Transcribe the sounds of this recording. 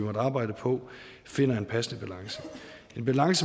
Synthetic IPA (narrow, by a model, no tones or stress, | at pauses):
imɒd̥ɑ̈ːb̥ɑ̈ɪ̰d̥əpʰɒ̽ | fe̝n̰ɐe̝npʰæsənəb̥ælɑ̈ŋsə̥ | e̝nb̥ælɑ̈ŋsə